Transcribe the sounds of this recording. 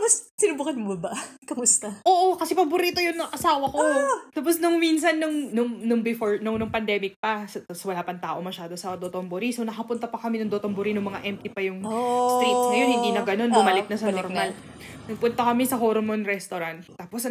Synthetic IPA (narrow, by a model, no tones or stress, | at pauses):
mɐssɪnʊbuːkɐnmobɐkɐmʊst̪ɐʔoːʔokɐsɛpɐbʊɾiːt̪ojʊnɐŋʔɐsaːwɐkot̪aːp̬osnʊŋminsɐnːʊŋnʊŋnʊŋbɪfoɹnʊŋnʊŋpɐnd̪ɛːmɪk̚pɐsɐsɐwɐlaːpɐŋt̪aːʔo̞mɐʃaːd̪o̞sɐd̪ot̪omboɾisonɐkɐpʊnt̪ɐpɐkɐminɐŋd̪ot̪ombʊɾinʊŋmɐŋaʔɛmp̚t̪ipɐjʊŋst̪ɾejt̪sŋɐjo̞nhɪnd̪iːnɐɡɐno̞nbʊmɐlɪk̪̚nɐsɐnoɾmal | nɐɡ̚pʊnt̪ɐkɐmɛsɐhoɾmonɾɛst̪oɾɐnt̪ːaːpos